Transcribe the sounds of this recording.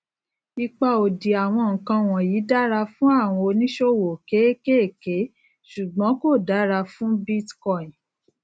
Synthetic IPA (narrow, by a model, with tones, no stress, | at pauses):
i˧k͡pa˧o˨di˨a˨w̃ɔ̃˧ŋ̩˨kã˧w̃ɔ̃˨ji˨˦da˦ɾa˧fũ˦a˦˨w̃ɔ̃˧o˧nĩ˦ʃo˦wo˨ke˨˦ke˦e˦˨ke˨˦ | ʃu˨ɡ͡bɔ̃˨˦ko˦˨da˨˦ɾa˧fũ˦bi˦tkɔ˦˨ĩ˨